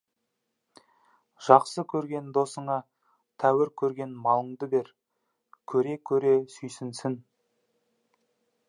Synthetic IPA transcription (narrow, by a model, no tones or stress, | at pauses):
ʒ̥ɑqsəkʲʰɵɾɡʲe̞nd̪o̞səɴɑ | t̪ʰæwɪɾkʲʰɵɾɡʲe̞nmɑlˠəɴd̪əbe̞ɾ | kʲʰɵɾe̞kʲʰɵɾe̞sʏjsɪnsɪn